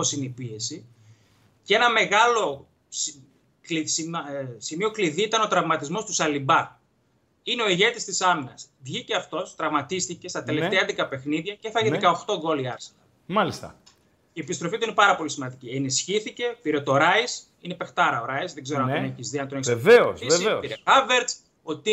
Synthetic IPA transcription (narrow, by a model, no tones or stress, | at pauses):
oposineipie̞si | cee̞nɐme̞ɣɐlo | s | klissimio̞kliðiit̪ɐno̞t̪ɾɐvmɐt̪izmo̞st̪usɐlibɐ | ineo̞iʝe̞t̪ist̪isɐminɐsvʝiceɐft̪o̞st̪ɾɐvmɐt̪ist̪ice̞st̪ɐt̪e̞le̞feɐnd̪ikɐpe̞xniðʝɐceθɐʝikɐoxt̪o̞ɡo̞liɐɾsenɐn | mɐlist̪ɐ̰ | ie̞pist̪ɾo̞fit̪uine̞pɐɾɐpo̞lisimɐnd̪icienisçiθice̞piɾet̪o̞ɾɐis | ine̞pe̞xt̪ɐɾɐoɾɐizðe̞ɡze̞ɾoɐnt̪neçizðiɐnt̪oneseveosieiɾeɐveɾt͡s | ot̪i